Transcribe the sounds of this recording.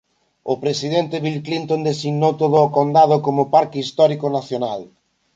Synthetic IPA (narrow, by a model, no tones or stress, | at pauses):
ʊpɾesið̞ɛnt̪ɪβilklint̪ond̪esiɣnowt̪oð̞ʊːkond̪að̞ʊkomʊpaɾkɪist̪ɔɾikonaθjonal